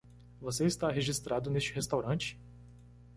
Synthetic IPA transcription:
voseist̪aɦeʒist̪ɾad̪ʊnest͡ʃɪɦest̪awɾɐ̃t͡ʃɪ̥

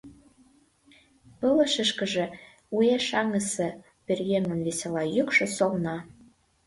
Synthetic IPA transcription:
pələ̆ʃə̆ʃkə̆ʒĕ | ueʃɑŋə̆sɤ̆ | pʲerjeŋə̆nβesʲelɑjykʃɤ̆solnɑ

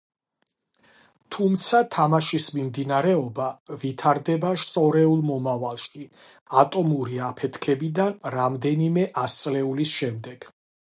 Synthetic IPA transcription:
t̪ʰumt̪sʰat̪ʰamaʃismimd̪inaɾɛɔbavit̪ʰaɾd̪ɛbaʃt̪ʼɔɾɛulˠmɔmavalˠʃi | at̪ʼɔmuɾiapʰɛt̪ʰkʰɛbid̪anɾamd̪ɛnimɛʔast̪sʼlɛulisʃɛmd̪ɛɡ̥

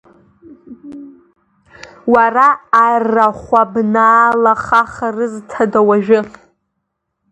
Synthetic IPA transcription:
waraːrːaχʷabnaːlaχaχarɨztʰadawaʒᶣɪ

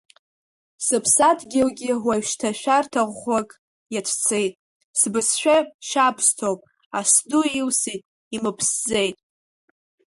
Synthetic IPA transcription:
sɨpʰsatʰʼɡʲɪlɡʲɪwaʃtʰaʃᶣartʰaʁʷakʼ | jat͡ʃʷʰt͡sʰe̞jtʼ | sbɨsʃᶣaʃapʰstʰopʼ | asduilsitʼ | imɨpʰsd͡ze̞jtʼ

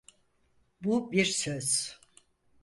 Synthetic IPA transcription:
bubiɾsøz̥

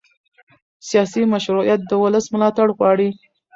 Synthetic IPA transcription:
sijɑsimaʃɾujat̪̚d̪əwʊləsmʊlɑt̪aɽɣwɑɽi

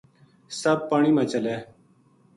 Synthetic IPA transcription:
səb̚paːɳiːmãːt͡ʃəleː

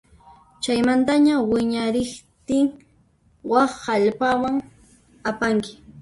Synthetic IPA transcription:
t͡ʃajmant̪aɲawɪɲaɾɪχt̪ɪŋ | wɑχaʎpawaŋ | apaŋkɪ̥

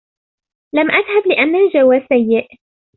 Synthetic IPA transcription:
lamʔaðhablɪʔanːad͡ʒawasajːɪʔ

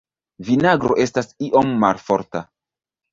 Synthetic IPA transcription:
vinaɡɾo̞̰ʔe̞stasiʔo̞mːalfo̞̰ɾta

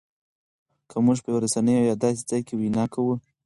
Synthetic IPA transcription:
kʰəmuʐpəjawaɾasanəjojɑd̪ɑs̬e̥d͡zɑjkewinɑkawu

